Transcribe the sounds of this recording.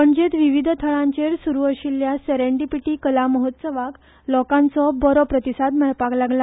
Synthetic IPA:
məɳd͡ʑet̪ʋiʋid̪ʱt̪ʰəɭãɲt͡ɕeɾsuɾuəɕilːjaseɾeɳɖipiʈiːkəlaməɦət̪səʋak | lɔkãnt͡sɔbɔɾɔpɾət̪isad̪məɭpaklaɡla

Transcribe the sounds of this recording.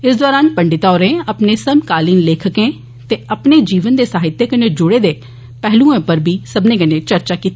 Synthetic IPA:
ɪsd̪ɔːɾaːnpəɳɖɪt̪aːɾẽːəpneːsəmkaːliːnleːkʰəkẽː | t̪eːəpneːd͡ʒiːʋənd̪eːsaːɦɪt̪ːeːkəneːd͡ʒʊɽeːd̪eː | pɛɦlũːẽːpəɾbʱiːsəbnẽːkənẽːt͡ʃəɾt͡ʃaːkiːt̪e

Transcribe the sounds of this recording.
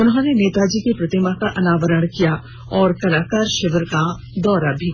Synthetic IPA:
ʊnɦõneneːt̪ad͡ʒiːkepɾɐt̪ɪmakaʔɐnaːʋəɾəɽ̃kija | ɔːɾkɐlaːkaːɾʃɪʋɾka | d̪ɔːɾabʱi

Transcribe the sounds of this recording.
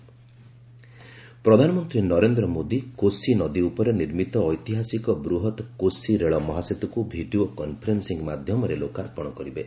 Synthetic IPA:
pɾɔd̪ʱanɔmɔnt̪ɾinɔɾend̪ɾɔmod̪ikosinɔd̪iupɔɾeniɾmit̪ɔːjt̪iɦasikɔbɾuɦɔt̪kosiɾeɭɔmɔɦaset̪ɔkubʱiɖiokɔnpʰɾensiŋɡmad̪ʱjɔmɔɾelokaɾpɔɽ̃ɔkɔɾibe

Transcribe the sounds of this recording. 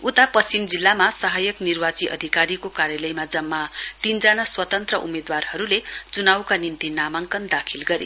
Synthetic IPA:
ut̪apʌst͡simd͡zilːamasʌɦajʌknirwat͡siʔʌ̰d̪ʱikaɾikokaɾjʌlʌjmad͡zʌmːat̪ind͡zanaswʌt̪ʌnt̪rʌʔṵmed̪warhʌɾulet͡sunawkanint̪inamaŋkʌnd̪akʰilɡʌɾḛ

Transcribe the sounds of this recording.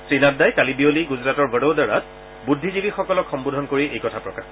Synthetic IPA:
tɹinatdajkalibioliɡuzɹatɔɹbʱəɽodaɹa̰t̚ | budʱːizibixɔkɔlɔkxɔmbudʱɔnkoɹiʔejkɔtʰapɹɔkax

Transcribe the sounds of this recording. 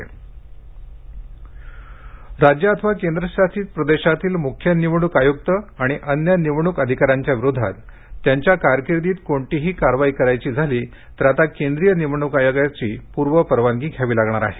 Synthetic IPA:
ɾad͡ʑjəːt̪ʰəʋakend̪ɾəɕatiːt̪̚pɾəd̪eɕat̪iːlmukʰjəniʋɳ̃ukajoɡ̚t̪əaɽ̃iʔənjəniʋɳukəd̪ʱikaɾjaɲt͡ɕjaʋiɾod̪ʱa̰t̪ː | jaɲt͡ɕjakaɾkiɾd̪iːt̪koɳʈiɦiːkaɾʋaikəɾajt͡ɕiːd͡zʱaliː | t̪əɾat̪akend̪ɾijəniʋɳukajoɡat͡ɕiːpuɾʋəpəɾʋaŋɡiːkʰjaʋiːlaɡɳaɾa̰ɦe

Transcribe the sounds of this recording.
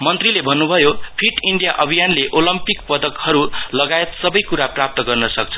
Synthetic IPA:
mʌnt̪rilebʱʌnːubʱʌjopʰiʈiɳɖijaʔʌbʱijanleʔolʌmpik̚pʌd̪ʌkhʌɾulʌɡaet̪sʌbʌjkuɾaprap̚t̪ʌɡʌrnʌsʌk̚t͡sʰʌ̥

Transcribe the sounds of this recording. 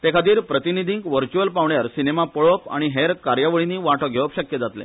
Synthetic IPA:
t̪ekʰat̪iːɾpɾət̪inid̪ʱiŋkʋəɾt͡ɕuəlpaʋɳjaɾsinemapəɭopa̰ɽ̃iɦeɾkaɾjaʋəɭiniːʋaʈʰəɡʱeʋəpɕəkjəd͡zat̪lḛ̃

